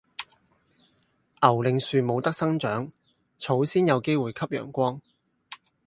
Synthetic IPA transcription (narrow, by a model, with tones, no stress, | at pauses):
ʔɐ˨˩wlɪ˨ŋsyː˨˧mo˨˧wt̪ɐ˥k̚sɐ˥ŋt͡ʃœː˨˥ŋ | t͡sʰo˨˥wsiː˥njɐ˨˧wke˥jwuː˨jkʰɐ˥p̚jœ̰ː˨˩ŋkʷɔː˥ŋ